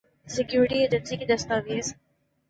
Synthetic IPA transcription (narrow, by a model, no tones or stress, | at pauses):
sɪkjuːɾɪʈied͡ʒə̃nsikid̪ɐst̪aʋeːz